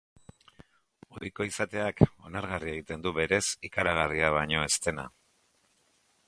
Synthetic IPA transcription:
o̞ɾiko̞isat̪e̞ako̞naɾɣarie̞ɣ̞it̪e̞nd̪uβe̞ɾe̞sikaɾaɣ̞ariaβ̞aɲo̞e̞st̪e̞na̰

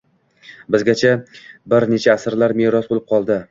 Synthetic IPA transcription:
bɪzɡʲat͡ʃʰabɪɾne̞t͡ʃʰaːsɾlaɾmeɾɒsbolˠɪp̚qʰɒlˠd̪ɪ

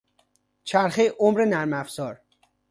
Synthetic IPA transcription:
t͡ʃʰæɾxejʔomɾenæɾmæfz̥ɒːɾ

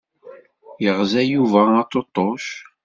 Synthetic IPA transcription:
jəʁzæjuvæɑt̪ˤːot̪ˤːoʃ

